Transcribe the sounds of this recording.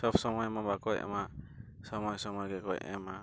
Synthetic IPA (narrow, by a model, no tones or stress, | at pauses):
sɔpʰsɔmɔjmɔbakɔjɛ̰ma | sɔmɔjsɔmɔjɡɛkɔjɛ̰ma